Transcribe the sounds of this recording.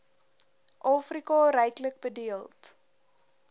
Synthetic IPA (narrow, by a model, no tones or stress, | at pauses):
ʔɑːfrikɑɾɛjklək̚bədiəlˠt